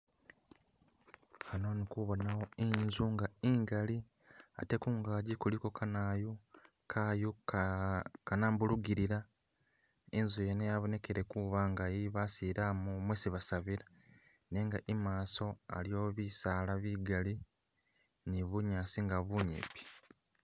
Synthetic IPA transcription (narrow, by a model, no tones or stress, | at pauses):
xanonikuβonawo̞inzuŋɡaiŋɡali | a̰te̞kuːŋɡaːɟikuliko̞kʰanaju | kʰaju | kanaːmbuluɡiɾiɾa | enzujenejaβone̞keɾe̞kuβaŋɡajiβasiɾamumwesiβasaβiɾa | ne̞ŋɡaʔimaːso̞a̰ljo̞ːβisaːlaβiɡali | niβuɲaːsiŋɡaβuɲḛpi̥